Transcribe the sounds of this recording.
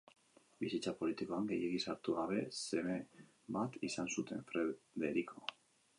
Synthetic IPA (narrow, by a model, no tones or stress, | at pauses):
bisit͡sapo̞lit̪iko̞aŋɡe̞jeɣisaɾt̪uɣaβ̞e̞se̞me | bat̪isansut̪ʰe̞̰ɱfɾeðe̞ɾikʰo